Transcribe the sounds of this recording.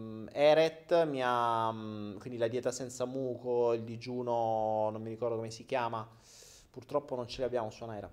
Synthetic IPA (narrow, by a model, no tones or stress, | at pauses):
ɛːɾɛt̪ːmia | kwind̪ilad̪jɛːt̪asɛnt̪samuːkoild̪id͡ʒuːnonomːiɾikɔrd̪okomesik̟jaːma | purt̪ɾɔpːonont͡ʃeleabːjaːmosuanaɛjɾa̰